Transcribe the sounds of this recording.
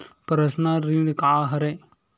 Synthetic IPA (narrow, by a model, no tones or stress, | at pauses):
pɐɾɐsnaɾiɾkaːɦɐɾe